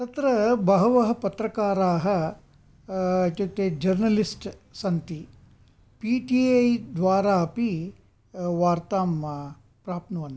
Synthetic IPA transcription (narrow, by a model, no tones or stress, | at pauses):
t̪ɐt̪ɾɐbɐɦɐʋɐɦɐ̆pɐt̪ɾɐkaːɾaːɦɐ | ɐʈːɐt̪ːeːd͡ʒɐɾnɐlisʈsɐnt̪i | piʈiɐjd̪ʋaːɾaːɐpi | ʋaːɾt̪aːm | pɾaːp̚nɐʋɐn